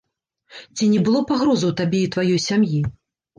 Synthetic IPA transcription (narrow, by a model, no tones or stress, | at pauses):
t͡sʲinʲɛbɨlˠɔpaɣɾɔzɐwt̪abʲɛit̪vajɔjsʲamji